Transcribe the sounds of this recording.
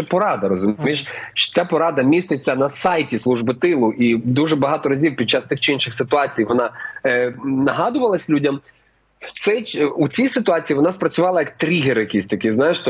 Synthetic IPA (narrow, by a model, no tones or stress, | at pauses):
ɛpɔɾɑd̪ɐɾɔzʊmʲijʃʃt͡ʃɔ̥t͡sʲapɔɾɑd̪ɐmʲist̪ɪt͡sʲːɐnɐsɑjtʲislˠuʒbɪt̪ɪlˠʊʔid̪uʒɛbɐɦɑt̪ɔɾɐzʲiwpʲid̪̚t͡ʃːast̪ɪxt͡ʃɪinʃɪxsɪt̪ʊɑt͡sʲijʋɔnɑ | nɐɦɑd̪ʊʋɐlˠɐsʲlʲudʲɐm | w̪sɛjut͡sʲijsɪt̪ʊɑt͡sʲijiʋɔnɑspɾɐt͡sʲʊʋɑlˠɐjɐkt̪ɾʲiɦeɾjɐkʲisʲt̪ɐkʲɪznɑjeʃt̪ɔ